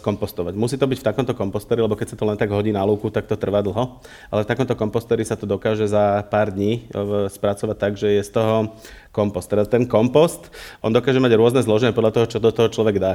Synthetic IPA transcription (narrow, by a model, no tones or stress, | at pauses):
kɔmpɔst̪ɔʋaɟmusiːt̪ɔbicft̪akɔmt̪ɔkɔmpɔst̪ɛːɾilɛbɔkɛcsat̪ɔlɛnt̪aɡɦɔɟiːnaluːkut̪ak̚t̪ɔt̪r̩ʋaːd̪l̩ɦɔ | ʔa̰lɛft̪akɔmt̪ɔkɔmpɔst̪ɛɾisat̪ɔd̪ɔkaːʒɛzapaːɾd̪ɲiːspɾat͡sɔʋac̚t̪aɡʒɛjɛst̪ɔɦɔ | kɔmpɔst̪ːɛɾd̪at̪ɛnkɔmpɔst̪ʔɔnd̪ɔkaːʒɛmaɟɾʊɔznɛzlɔʒɛɲɛpɔd̪lat̪ɔɦɔt͡ʃɔd̪ɔt̪ɔɦɔt͡ʃlɔʋɛɡd̪a